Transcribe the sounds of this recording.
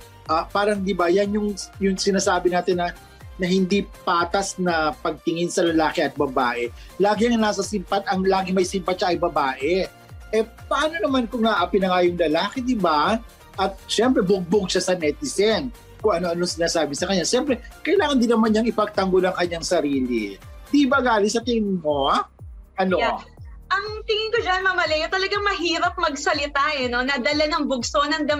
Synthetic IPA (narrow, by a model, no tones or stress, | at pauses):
ʔaːpaːɾɐŋd̪ɪbajanjʊŋjʊŋsɪnaːsaːbɪnaːt̪ɪnːɐ | nɐhɪnd̪ipaːt̪ɐsnɐpɐɡ̚t̪ɪŋɪnsɐlɐlaːkɛʔɐt̪̚bɐba̰ːʔɛlaːɡɪɐŋɐnasɐsɪmpɐt̪̚ɐŋlaːɡɪmɐjsɪmpɐt̪̚ʃaʔɐjbɐbaːʔɛ | ʔɛpɐʔaːnonɐmankʊŋnɐʔapɪnɐŋaːjʊŋlɐlaːkɛd̪ɪba | ʔɐt̪̚ʃɛmpɾɛbʊɡ̚bʊɡ̚ʃasɐnɛt̪ɪsɛn | kʊŋʔɐno̞ʔɐnoŋsɪnaːsaːbɪsɐkɐɲːaʃɛmpɾɛkɐjlaːŋɐnd̪inɐmanːɐŋɪpɐɡ̚t̪ɐŋɡolɐŋkɐɲːaŋsɐɾiːlḭd̪ibɐɡaːlɪsɐt̪ɪŋɪŋmo | ʔɐnoʔɐŋt̪ɪŋɪŋkod͡ʒanmamɐlɛjot̪ɐlɐɡɐŋmɐɦiːɾɐp̚mɐɡ̚sɐlɪt̪aʔɛno̞nɐd̪ɐlanɐŋbʊɡsonɐŋd̪ɐ